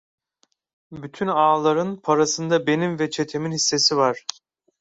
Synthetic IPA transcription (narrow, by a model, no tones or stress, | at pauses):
byt̪ʰynaːlˠaɾɯnpʰaɾasɯnd̪abe̞nimvɛt͡ʃʰet̪ʰe̞minhisːe̞sivaɾ̥